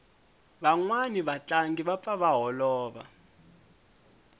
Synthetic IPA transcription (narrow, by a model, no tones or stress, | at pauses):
βaŋwaniβat͡ɬaŋɡiβap̪faβaɦɔlɔːβa̰